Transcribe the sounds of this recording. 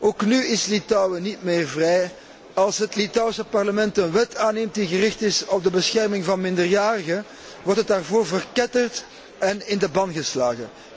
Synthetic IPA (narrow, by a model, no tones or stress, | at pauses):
oːknyɪslitɔwənitmɪːrvrɛj | ɑlˠsɦətlitɔwsəpɑrləmɛntənʋɛtʰaːneːmt̚diɣərɪxtɪsɔb̚dəbəsxɛrmɪŋvɑnmɪndərjaːrəɣə | ʋɔrtət̚daːrvoːrvərkɛtərt | ɛnɪndəbɑnɣəsla̰ːɣə̰